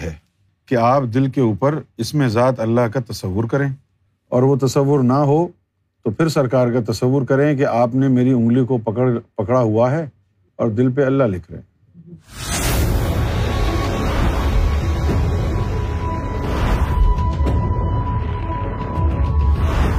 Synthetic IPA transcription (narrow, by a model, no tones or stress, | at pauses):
ɦɛː | keaːpd̪ɪlkeuːpəɾɪsmẽzaːt̪ɐlːaɦkat̪ɐsəʋːʊɾkɐɾẽː | ɔːɾʋot̪ɐsəʋːʊɾnaɦo | t̪opʰɪɾsɐɾkaːɾkat̪ɐsəʋːʊɾkɐɾẽk̬eʔaːpnemeːɾiʊ̃ŋɡlikopɐkɽaɦuaɦɛ | ɔːɾd̪ɪlp̬eɐlːaɦlɪkʰɾ̰ḛ̃ː